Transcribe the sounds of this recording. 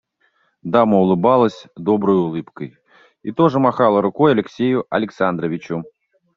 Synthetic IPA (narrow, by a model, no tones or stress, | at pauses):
d̪aməulˠɨbalˠəsʲd̪ɔbɾəjulˠɨpkəj | it̪oʐɨmaxalˠəɾʊkɔjɐlʲɪksʲejʊʔɐ̰lʲɪksand̪ɾəvʲit͡ɕʊ